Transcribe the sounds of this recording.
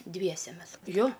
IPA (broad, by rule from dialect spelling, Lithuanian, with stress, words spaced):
ˈdʲʋʲiɛsʲɛ ˈmʲɛs ˈjoː